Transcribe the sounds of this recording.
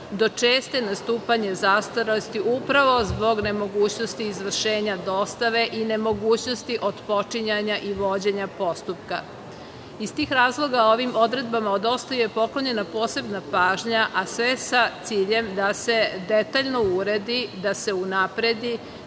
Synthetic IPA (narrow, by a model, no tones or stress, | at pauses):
d̪o̞t͡ʃeːst̪enast̪uːpaɲezast̪oɾelost̪iʔupɾaʋo̞zbo̞ɡne̞mo̞ɡuːt͡ɕno̞st̪iːzʋr̩ʃeːɲad̪o̞st̪aʋe̞ʔine̞mo̞ɡuːt͡ɕno̞st̪iʔo̞d̪po̞t͡ʂiɲaɲaʔiʋo̞d͡ʑeɲapo̞st̪upka | ist̪iːxɾaːzlˠo̞ɡao̞ʋimo̞d̪ɾe̞d̪̚bamaod̪o̞st̪ajujepo̞kloɲe̞napo̞ːse̞bnapaːʒɲaʔasʋe̞sat̪siːʎe̞md̪ase̞d̪e̞t̪aʎno̞uɾe̞d̪id̪ase̞unapɾe̞d̪i